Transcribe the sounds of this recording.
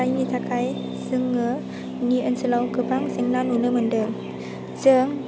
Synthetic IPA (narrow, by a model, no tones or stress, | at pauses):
ajnit̪ʰakʰaj | səŋːə | niʔənsəlawkəpaŋsiŋnanunəməndəŋ | zəŋ